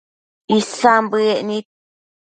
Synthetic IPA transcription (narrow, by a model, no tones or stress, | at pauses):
isambɨɛʔni